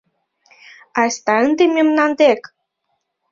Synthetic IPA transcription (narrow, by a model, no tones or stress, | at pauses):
ast̪aɨnd̪emʲimnand̪ek